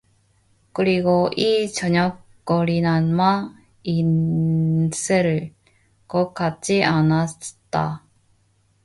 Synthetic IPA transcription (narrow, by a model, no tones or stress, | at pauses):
kɯɾiɡoʔit͡ɕʌɲʌk | k͈ʌɾinanma | in | sʰɯɾɯɭ | kʌk͈at̚t͡ɕ͈iʔanat͈a